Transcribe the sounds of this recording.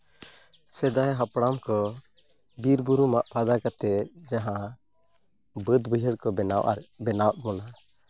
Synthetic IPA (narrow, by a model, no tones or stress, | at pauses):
sɛd̪ajɦapɽamkɔ | biɾbuɾumaʔpʰad̪akat̪ɛd͡ʒaɦã | bəd̪bəd͡ʒʱəɽkɔbɛnawʔa̰ɾbɛnawʔmɔna